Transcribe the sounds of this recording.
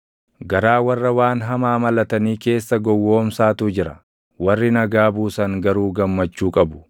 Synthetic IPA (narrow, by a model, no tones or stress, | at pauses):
ɡɐɾaːwɐrːɐwaːnɦɐmaːmɐlɐt̪ɐniːke̞ːsːɐɡɔwːo̞ːmsaːt̪ud͡ʒɪɾɐ | wɐrːɪnɐɡaːbuːsɐŋɡɐɾuːɡɐmːɐt͡ʃːuːkʼɐbʊ̥